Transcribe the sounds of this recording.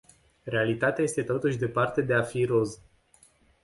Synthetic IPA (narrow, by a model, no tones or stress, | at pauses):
re̞alit̪at̪eaje̞st̪e̞t̪o̞t̪uʃʲd̪e̞part̪e̞d̪e̞afiɾo̞z